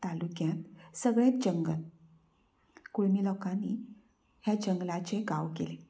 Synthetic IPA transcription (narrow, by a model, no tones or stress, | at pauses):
t̪alukjãt̪səɡɭet̪̚d͡ʑəŋɡəl | koɭmiːlɔkanːi | ɦjad͡ʑəŋɡlat͡ɕeɡaʋkele